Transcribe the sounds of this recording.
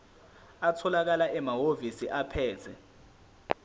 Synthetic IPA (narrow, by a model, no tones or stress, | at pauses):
atʰɔlak̬alaʔɛmaɦovisiʔapʰɛːtʰɛ